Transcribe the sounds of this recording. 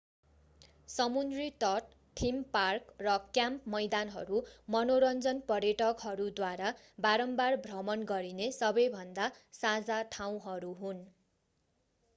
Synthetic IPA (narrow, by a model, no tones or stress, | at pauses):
sʌmund̪rit̪ʌʈ | ʈʰːimparkrʌkjampmʌjd̪anɦʌ̰ɾumʌnoɾʌnd͡zʌnpʌrjʌʈʌkɦʌɾud̪waɾa | baɾʌmbarbʱrʌmʌnɡʌɾinesʌbʌjbʱʌnd̪asad͡zaʈʰaw̃ɦʌɾuɦun